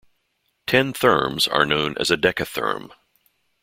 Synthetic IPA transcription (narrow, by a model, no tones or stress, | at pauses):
tʰɛ̃nθɜ̰̃˞mzə̰˞nõʊ̃nʔɨ̰zɨdɛkɨθɜ̰̃˞m